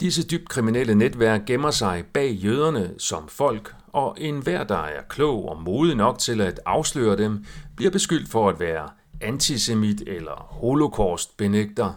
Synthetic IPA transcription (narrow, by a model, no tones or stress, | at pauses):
d̥isəd̥yb̥d̥̚kʰʁiminel̰əned̥ʋæɐ̰ɡ̥̚ːemɐsɑ̈ɪb̥ɛ̰ːjøːð̞ˠɐnəsɒ̽mfɒ̽l̰ɡ̥ | ɒ̽ʔe̝nʋæɐ̰d̥ɑ̈æɐkʰlɔ̰ʊ̰ɒmo̝ːðˠinɒ̽ɡ̥t͡sʰe̝læd̥ɑ̈ʊslø̰ːɐd̥emb̥liɐ̰b̥e̝sɡ̥yl̰d̥fɒ̽æd̥ʋæːɐ | ænt͡sʰise̝mid̥elɐho̝lo̝kʰɒːsd̥̚b̥e̝neɡ̥̚d̥ɐ